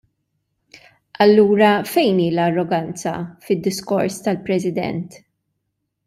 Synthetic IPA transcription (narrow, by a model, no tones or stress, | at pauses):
ʔɐlːuːɾɐfɛjniːlɐrːɔɡɐnt͡sɐfɪd̪ːɪskɔɾst̪ɐlpɾɛsɪd̪ɛ̰nt̪